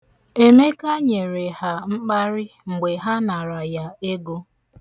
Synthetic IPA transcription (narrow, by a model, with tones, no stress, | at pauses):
e˦me˦ka˦ɲe˨ɾe˨ha˨ŋ͡m̩˦k͡pa˦ɾɪ˦ŋ͡m̩˨ɡ͡be˨ɦa˦na˨ɾa˨ja˦e˦ɡo˦